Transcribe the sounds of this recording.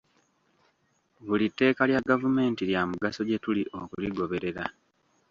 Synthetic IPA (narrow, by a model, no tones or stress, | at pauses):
βulitːe̞ːkaljaɡavume̞ːntiljamuɡaso̞ɟe̞tuliʔo̞kuliɡo̞βe̞ɾe̞ɾa̰